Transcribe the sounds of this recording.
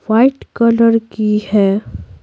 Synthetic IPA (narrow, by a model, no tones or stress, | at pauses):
ʋaɪʈkɐləɾkihɛ